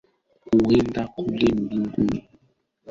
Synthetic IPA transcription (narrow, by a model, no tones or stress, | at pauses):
uɣendakulem̩biŋɡuni